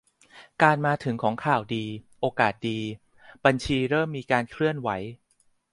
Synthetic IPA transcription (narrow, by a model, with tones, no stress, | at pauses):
kaː˧nmaː˧t̪ʰɯ˩˦ŋkʰɔː˩˦ŋkʰaː˨˩wdiː˧ʔoː˧kaː˨˩t̪̚diː˧ | ba˧nt͡ɕʰiː˧ɾɤː˥˩mːiː˧kaː˧nkʰɾɯ˥˩ənwa˩˦j